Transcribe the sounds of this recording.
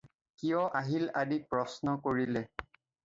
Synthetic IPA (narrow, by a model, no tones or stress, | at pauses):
kijɔʔaɦiladipɹɔsnɔkoɹilɛ